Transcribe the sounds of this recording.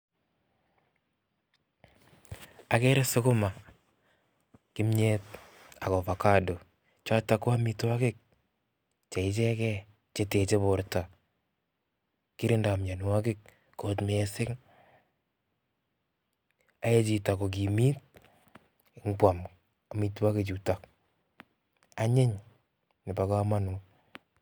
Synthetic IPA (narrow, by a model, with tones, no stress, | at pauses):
a˨kɛ˦ɾe˦sʊ˦kʊ˦ma˨ | kɪ˦mɲɛt̚ | a˨kɔ˨pa˨ka˦do˨ | t͡ʃa˦ta˨ko˦a˦mi˧to˦a˦kɪ˦k̚ | t͡ʃɛ˨ɪ˦t͡ʃɛ˦kɛ˦ | t͡ʃe˦te˨t͡ʃe˦bʊ˨ɾta˨ | kɪ˦ɾɪ˦nda˨mɲa˨n˨wa˦k̬ɪ˦k̚ː | o˨tmɛsɪ˦ŋ | a˦e˦t͡ʃi˨ta˨kɔ˨k̬i˨mi˦t̚ | ɪ˦ŋkwa˨m | a˨mi˦twa˦ke˨t͡ʃuta˨k | a˦ɲɪ˦ɲ | nɪ˨pa˨ka˦ma˦nʊ˨